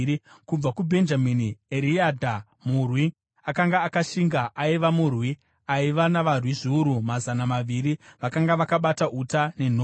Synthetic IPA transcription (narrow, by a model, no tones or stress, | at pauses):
kub͡vakubʱe̞nd͡ʒaminieɾiadʱa | murwi | akaŋɡaːkaʃiŋɡaʔaiʋamurwi | aiʋanaʋarwiʐiuɾumazanamaʋiɾiʋakaŋɡaʋakaɓataʔutane̞n̤oː